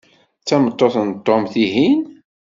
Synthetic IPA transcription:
t͡sːæmət̪ˤːoθnt̪ˤːomθiɦin

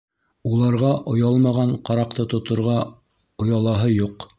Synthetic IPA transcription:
ulˠɑɾʁɑʔŏjɑlˠmɑʁɑɴqɑɾɑqt̪ɤt̪ŏt̪ŏɾʁɑ | ŏjɑlˠɑɦɤjuq

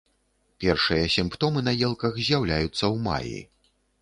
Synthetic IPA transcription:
pʲɛrʂɨjɐsʲimpt̪ɔmɨnɐjɛlˠkɐxzʲjawlʲajut̪sːɐwma̰jḭ

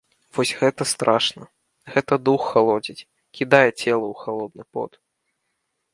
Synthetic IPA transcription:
vɔsʲɣɛt̪ɐst̪ɾʔaʂnɐ | ɣɛt̪ɐd̪uxːalˠɔd͡zʲit͡sʲ | kʲid̪ajɛt͡sʲɛlˠɐuxalˠɔd̪̚nɨpɔ̰t̪

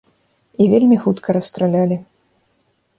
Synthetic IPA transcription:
ivʲelʲmʲixut̪kʰɐɾɐst̪ɾalʲalʲi

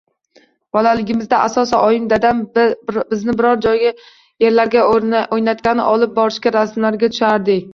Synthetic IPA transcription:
b̥ɒlalɪɡʲɪmɪzd̪aʔasɒsɪʔɒjɪmd̪ad̪anbɪznɪbɪɾɒɾd͡ʒɒjɡʲa | je̞ɾlaɾɡʲaojnat̪kʲanɪ̰ʔɒlˠɪp̚bɒɾɪʃkʲaɾasmlaɾɡʲat̪ʰʊ̥ʃaɾd̪ɪ

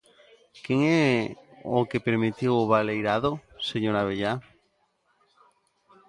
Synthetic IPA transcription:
keŋɛ | okepeɾmit̪iwoβalejɾaðoseɲoɾaβeʎa

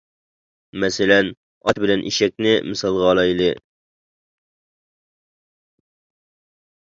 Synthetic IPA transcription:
mɛsɪlɛn | ɑt̪bɪlɛnʔḭʃɛk̚ʲnɪmɨsɑlˠʁɑːlˠɑjlˠɨ

